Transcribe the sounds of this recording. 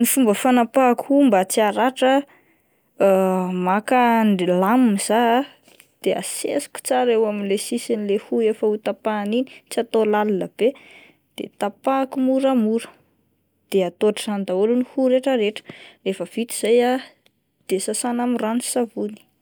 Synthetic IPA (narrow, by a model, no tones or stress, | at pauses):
nifumbəfanapakhumbat͡siaɾaʈ͡ʂə | makanlamimiz̥a | d̪̥ea̰sḛsi̥kʲu̥t͡saɾewaminlesisinilehuefəut̪apanini̥t͡siat̪olalləb̥e | d̪̥ḛt̪apakumuɾəmuɾə̥ | d̪̥eat̪oʈ͡ʂisand̪aulunihuɾeʈ͡ʂəɾeʈ͡ʂə̥refəv̥it̪iz̥aja | d̪̥esasanamiranisavuni̥